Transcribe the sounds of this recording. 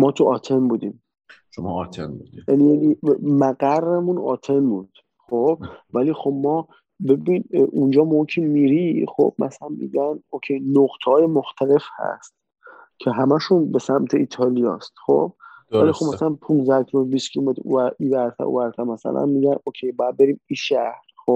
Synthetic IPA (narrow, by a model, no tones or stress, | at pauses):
mɒːt̪ʰuɒːt̪ʰe̞nbuːd̪iːm | ʃom̰t̪ʰenuijænijænimæɡærːemunɒ̰ːt̪ʰe̞nbud̪̥ | xob̥̚væliːxo̞bmɒː | bebinʔund͡ʒɒːmocʰimiːɾixo̰b̥mæ̰sælænmḭːɟænocʰejnoɡt̪ʰhɒːjemoxt̪ʰæle̞fhæ̰st̪ | cʰeɦæmæʃunbe̞sæmt̪ʰe̞ʔiːt̪ʰɒlijɒ̰ːst̪xo̰b̥̚væliːxobmæsælænpʰunzækʰiebiːskʰilmet̪ɾṵæibæɾt̪ʰæ̰ɾo̰væɾt̪ʰæɾmæsæ̰lʔæ̰nmiːɟænokʲʰejbɔːjæd̪̚be̞ɾiːmiːʃæhɾxob̥